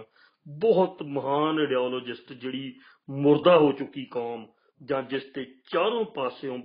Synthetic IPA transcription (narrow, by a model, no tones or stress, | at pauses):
bɔɦʊt̪məɦaːneɖeaːloːd͡ʒɪsʈd͡ʒeːɽiː | mʊɾd̪aːɦoːt͡ʃʊkːiːkaːm | d͡ʒãːd͡ʒɪst̪eːt͡ʃaːɾõːpaːseːõː